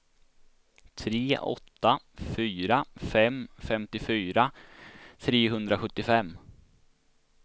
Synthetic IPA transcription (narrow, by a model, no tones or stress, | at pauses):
t̪ʰɾeːʔɔ̰t̪ːa | fyːɾafɛmfɛmt̪ɪfyːɾa | t̪ʰɾeːɦɵnd̪ɾaɧɵt̪ːɪfɛmː